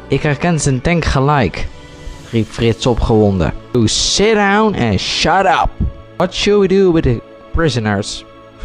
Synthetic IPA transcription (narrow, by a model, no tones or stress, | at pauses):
ʔɪkhɛɹkɛnzəntɛ̃ŋkχəlɛjk | ripfrɪtsɔpχəʋɔndə̰husɪt̚dãwnʔɛ̰̃nʃaɾʌ̰p̚wʌtʃʊlˠwiduwɪdə | pɹɪzənəɹs